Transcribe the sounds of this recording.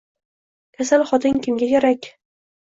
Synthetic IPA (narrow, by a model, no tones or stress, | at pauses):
kʲʰasalχɒt̪ʰɪŋkʲʰɪmɡʲakʲʰaɾakʲ